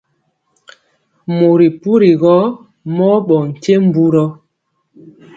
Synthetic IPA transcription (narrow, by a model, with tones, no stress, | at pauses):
mo˨ɾi˨pu˦ɾi˨ɣɔ˦ | mɔ˦ɓɔ˨ŋ̩˨te˦m̩˦bu˦ɾɔ˦